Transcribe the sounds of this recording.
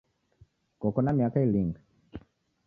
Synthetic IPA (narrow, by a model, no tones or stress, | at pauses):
kɔkɔnamiakailiŋɡa